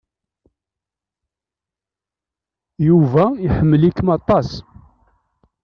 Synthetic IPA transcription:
juvæiħəmːəlikːəmɑt̪ˤɑs

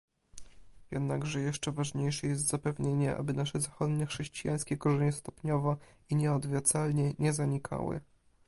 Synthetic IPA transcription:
jɛd̪naɡʐɛjɛʂt͡ʂɛvaʐɲejʂɛjɛst̪zapɛvɲeɲɛʔa̰bɘnaʂɛzaxɔd̪ɲɛxʂɛɕt͡ɕijaj̃skʲɛkɔʐɛɲɛst̪ɔpɲɔvɔ | iɲɛɔd̪vʲjat̪salɲɛɲɛzaɲikʰa̰wɘ̰

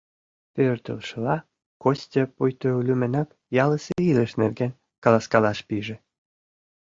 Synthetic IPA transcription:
pørt̪ə̰lʃəlɑ | kosʲtʲepujt̪oulʲymə̆nɑk | jɑləseiləʃnerɡenʲ | kɑlɑskɑlɑʃpiʒĕ

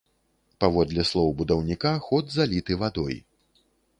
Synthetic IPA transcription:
pavɔd̪lʲɛslˠɔwbud̪ɐwnʲikaxɔd̪zalʲit̪ɨvad̪ɔj

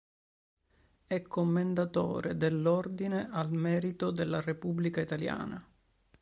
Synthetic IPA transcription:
ɛkʰːomːend̪at̪o̰ːɾed̪elːɔrd̪inealmɛːɾit̪od̪elːarepubːlikait̪alja̰ːna

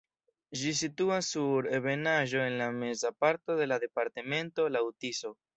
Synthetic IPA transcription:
d͡ʒis̬ituasːuɾeβe̞naʒo̞e̞nlame̞zapaɾto̞de̞lade̞paɾteme̞nto̞lawtiso̞

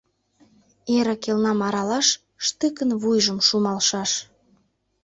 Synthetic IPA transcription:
eɾəkelnɑmɑɾɑlɑʃ | ʃt̪əkənβujʒəmʃumɑlʃɑʃ

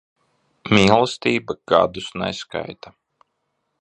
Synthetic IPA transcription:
mʲiːlˠst̪iːbaɡ̥a̰d̪usna̰jska̰jt̪a

